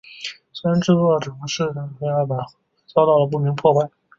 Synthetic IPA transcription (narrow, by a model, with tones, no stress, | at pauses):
sa˥nʈ͡ʂɻ̩˥˧ɔ˥˩ʈ͡ʂɤ˨˩˧ʂɻ̩˥˩a˥˩˨a˥˩pa˨˩ | t͡sɑ˥ʊt̪ɑ˥˩ʊlə˩p̬u˥˩mi˧˥ŋpʰwɔ˥˧pa˥˩ɪ